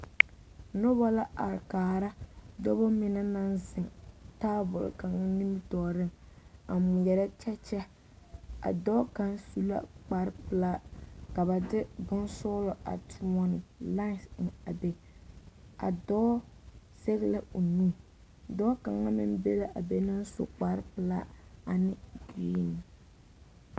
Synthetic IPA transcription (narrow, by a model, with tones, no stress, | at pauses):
nʊ˦bɔ˦la˦ʔa˨ɾkaː˨ɾa˦dɔ˦bɔ˦mɪ˨na˦na˦nzɪ˨ŋta˦bʊ˨l̰ka˨ŋa˦ni˦m˦tɔː˨ɾɪ˦ŋ | a˨mʊ˨jɛ˨ɾɛ˦t͡ʃɛ˦t͡ʃɛ˦ | a̰˨dɔː˦ka˨nsu˦la̰˦k͡pa˨ɾɪ˦pɨ˦la˦ka˨ba˨dɪ˦bʊ˦nsʊ˦lɔ˨ʔa̰˨tʰʊ˦mɔ˦nɪ˨la˦˨sn̩˨a̰˨be˦ | a̰˨dɔː˦ | se˦ɣɪ˦la˦ʊ˨nu˦ | dɔ˦ka˨ŋa˦mɪ̰˦n˦be˦la˦ʔa˨be˦na˦n˦so̰˨k͡pa˨ɾɪ˦pɨ˨la˦a˨nɪ˦ɡi˦nɪ˨